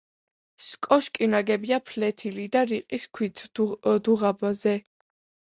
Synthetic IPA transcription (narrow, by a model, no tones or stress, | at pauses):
skʼɔʃkʼinaɡɛbiapʰlɛt̪ʰilid̪aɾiqʼiskʰwit̪ʰd̪uʁabazɛ